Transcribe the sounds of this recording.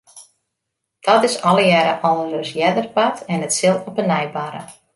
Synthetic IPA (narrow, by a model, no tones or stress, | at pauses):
d̥ɔtɪsɔlˠəjɛːɾəʔɔlˠərøsjɛdərpatɛnətsɪlˠɔpənɛjbaɾə̰